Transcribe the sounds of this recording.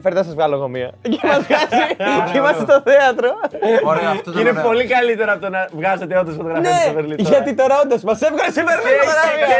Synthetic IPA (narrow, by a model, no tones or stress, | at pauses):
feɾðɐs̬ɐzvɣɐloɣomio̰cemɐzvɣɐziimɐsit̪oθeɐt̪ɾo | inepolikɐlit̪eɾoɐpt̪onɐvɣɐzet̪eont̪ɾɐsfot̪oɣɾɐfniesiveɾlit̪ʝɐt̪it̪oɾɐond̪ɐsmɐsefɣɐnsiveɾliɐɐ